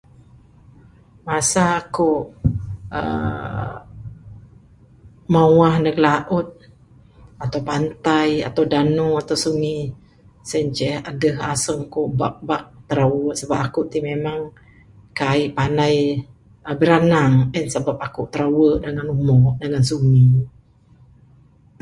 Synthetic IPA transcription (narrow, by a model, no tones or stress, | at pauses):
masaːkuʔ | ə̰ | mawahnəɡlaʔʊt̪̚ | at̪awpant̪aja̰t̪awdanuat̪awsuŋi | sɛɲt͡ʃɛhadəhasəŋkoʔba̰k̚bak̚t̪əɾawəʔsəbapakuʔt̪imemaŋ | kaiʔpanaj | əbəɾanaŋənsəbap̚akuʔt̪əɾawəʔdəŋanumɔʔdəŋansuŋi